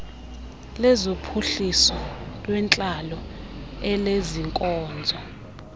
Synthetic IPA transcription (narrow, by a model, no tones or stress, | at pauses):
lɛzopʰuɬisɔlwɛnt͡ɬʼalɔɛleziŋkʼɔːnd͡zʱɔ